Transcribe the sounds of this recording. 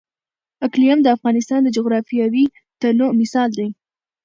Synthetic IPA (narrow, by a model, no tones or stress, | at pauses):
aklijamd̪əafɣɑnɪst̪ɑnd̪əd͡ʒʊɣɾɑfijɑwi | t̪anomɪsɑld̪aj